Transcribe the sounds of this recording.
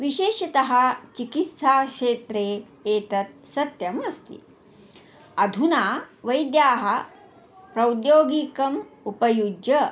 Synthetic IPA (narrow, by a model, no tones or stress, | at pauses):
ʋiɕeːʃɐt̪ɐɦɐt͡ʃikit̪saːʂeːt̪ɾeː | jeːt̪ɐt̪̚sɐt̪jɐmɐst̪ḭ | ɐd̪ʱunaːʋɐjd̪jaːɦɐ | pɾɐwd̪joːɡikɐmupɐjud͡ʒɐ